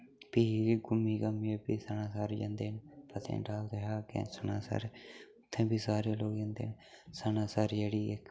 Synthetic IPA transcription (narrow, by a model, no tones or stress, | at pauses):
piːɡʊmːiːkəmiebiːsanãːsaːɾiːd͡ʒã̰ːnd̪eːnpət̪ʰḛ̃ːʈaːld̪eɦaːkḛ̃sənaːsa̰ːɾeːʊt̪ʰːẽːbiːsaːɾeːloːɡjãnd̪ḛːn | sanãːsaːɾeːɽiːek